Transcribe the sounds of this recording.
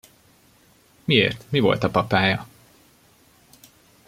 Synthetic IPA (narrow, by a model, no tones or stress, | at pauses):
miḛːrt̪mivo̞̰lt̪ɒpɒpaːjɒ